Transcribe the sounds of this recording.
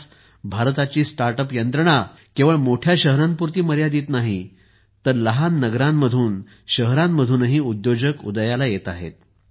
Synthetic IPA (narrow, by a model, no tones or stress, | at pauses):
s | bʱaɾt̪at͡ɕiːsʈaɾʈəpjənt̪ɾəɳ̃a | kĩʋəɭmoʈʰjaɕəɦɾampuɾt̪iːməɾjad̪iːt̪naɦi | t̪əɾləɦanːəɡɾãmːəd̪ʱuːn | ɕəɦɾãmːəd̪ʱuːnəɦiːud̪jod͡ʑəkṵd̪əjalajet̪aɦḛt̪̚